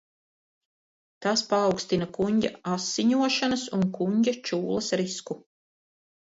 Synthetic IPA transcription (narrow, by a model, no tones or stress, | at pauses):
t̪aspaːwkst̪inakuɲɟʲa̰asːiɲuɔʃanɐsuŋkuɲʲɟʲat͡ʃuːlˠɐsɾisku